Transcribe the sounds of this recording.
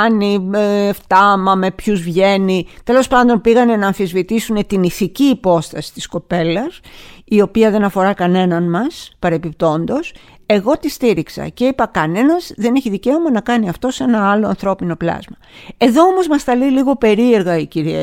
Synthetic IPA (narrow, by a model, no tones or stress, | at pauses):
nieft̪ɐmɐme̞pçuzvʝe̞nit̪e̞lo̞spɐnd̪o̞npiɣɐne̞nɐːnfizvit̪isune̞t̪iniθiciːpo̞st̪ɐsi̥t̪i̥sko̞pe̞lɐsio̞piɐðe̞nɐfo̞ɾɐkɐne̞nɐnmɐspɐɾe̞pip̚t̪o̞nd̪o̞s | e̞ɣo̞t̪ist̪iɾiksɐ̰ce̞ipɐkɐne̞nɐzðe̞neçiðice̞omɐnɐkɐniɐft̪o̞se̞nɐɐloɐ̰nθɾo̞pino̞plɐ̰zmɐ | e̞ðo̞omo̞zmɐst̪ɐliliɣo̞pe̞ɾie̞ɾɣɐiciɾie